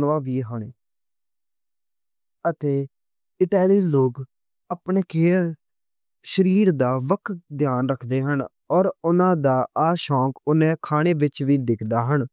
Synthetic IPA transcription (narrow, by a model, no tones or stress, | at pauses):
ʋãːʋiːɦəɳeː | ət̪eː | ɪʈaːliːloːɡ | apɳeːkeː | ʃəɾiːɾd̪aːʋəkʰd̪jaːnɾəkʰd̪eːɦən | ɔːɾʊnãːd̪aːaːʃɔ̃ːkʊnẽːkʰaːɽ̃eːʋɪt͡ʃʋiːd̪ɪkʰd̪aːɦəɳ